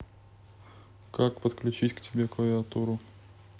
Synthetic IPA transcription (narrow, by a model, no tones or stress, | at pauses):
kakpət̪klʲʉt͡ɕitʲktʲɪbʲek̪vɐuɐt̪uɾʊ